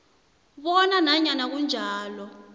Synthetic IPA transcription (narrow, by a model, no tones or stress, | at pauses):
ɓɔnanaɲanak̬und͡ʒʱaːlɔ